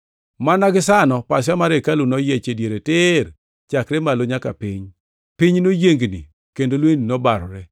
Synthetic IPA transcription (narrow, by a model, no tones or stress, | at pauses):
manaɡɪsanɔpas̬jamaɾekalunɔjɛt͡ʃedjeɾetɪr | t͡ʃakɾɛmaloɲaka̰pɪɲ | piɲnojeŋɡnḭ | kendolweninɔbaɾɾɛ